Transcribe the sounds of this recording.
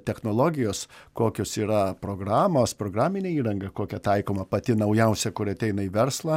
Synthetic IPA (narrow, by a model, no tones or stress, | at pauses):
t̪ʲɛxnoːlˠoːɡʲɪjoːskoːkʲoːsiːɾɐpɾoːɡɾɑːmoːspɾoːɡɾɑːmʲɪnʲeːiːɾɐŋɡɐkoːkʲɛt̪ɐɪkoːmɐpɐt̪ʲɪnɐʊjɛʊsʲɛkʊɾɐt̪ʲɛɪnɐiʋʲɛɾslˠɐ